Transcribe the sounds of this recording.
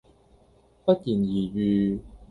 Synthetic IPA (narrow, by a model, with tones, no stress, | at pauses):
pɐ˥t̚jiː˨˩njiː˨˩ɥyː˨˧